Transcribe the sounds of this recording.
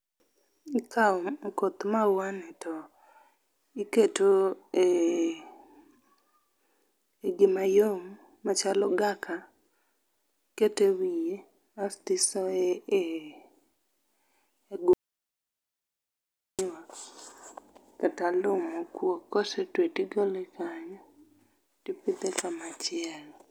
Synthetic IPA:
ikʰakot̪mawanɛtɔ | iketoe | eɡɪmajom | mat͡ʃalɔɡakʰa | ketewije | astɪsɔee | ɡ | a | katalʊmɔkwokɔsetwetiɡolekʰaɲɔ | tipit̪ekamat͡ʃɪɛl

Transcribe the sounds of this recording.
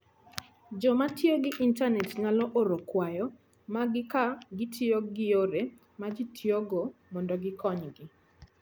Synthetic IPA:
d͡ʒɔmatjoɡɪʔintanɛtŋalɔʔoɾokwajɔ | maɡɪkaɡɪtʰioɡɪjoɾe | mad͡ʒitʰjoɡomɔndɔɡɪkʰɔɲɡɪ

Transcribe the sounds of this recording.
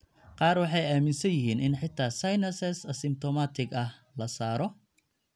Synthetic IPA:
qɑːrwɑħɑjaːmɪnsɐjɪɦiːnɪnħɪt̪ʰːaːsɐjnɐsɛsɐsɪmt̪ʰɔmat̪ʰɪɡɐh | lɐsaːɾɔ

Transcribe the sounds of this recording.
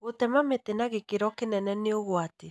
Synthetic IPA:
otɛmametenaɣekeɾɔkenɛnɛneoɣwate

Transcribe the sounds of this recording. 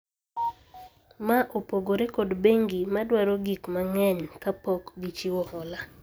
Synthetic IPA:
maʔopoɡoɾekodbeŋɡimadwaɾoɡikmaŋɛɲkapɔkɡit͡ʃiwɔhɔla

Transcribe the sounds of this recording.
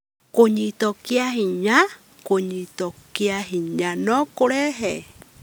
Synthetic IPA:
koɲĩt̪okiaɦiɲa | koɲĩt̪okiaɦiɲãnõkoɾeɦe

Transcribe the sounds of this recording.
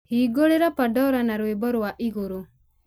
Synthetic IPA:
hiɡɔɽɛɾapaɖɔɾanaɾuebɔɾuaʔiɡuɾu

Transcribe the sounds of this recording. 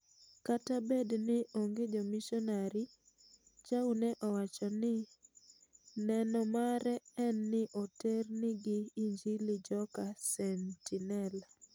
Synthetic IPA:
katabednɪoŋɡed͡ʒɔmiʃɔnaɾi | t͡ʃaunɛʔɔwat͡ʃɔnɪ | nɛnɔmaɾɛɛnːɪʔotɛrnɪɡɪiɲd͡ʒilid͡ʒɔkasɛntinɛla

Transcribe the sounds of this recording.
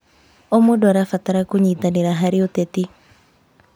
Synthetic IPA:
omodwaɾafataɾakuɲiːtaneɾaɦaɾiotɛti

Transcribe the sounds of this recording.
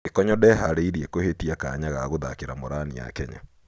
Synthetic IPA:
ekɔɲɔdɛɦaɾeiɾiekohetiaka̰ɲaɣaɣoða̰keɾamoɾanija̰kɛɲa̰

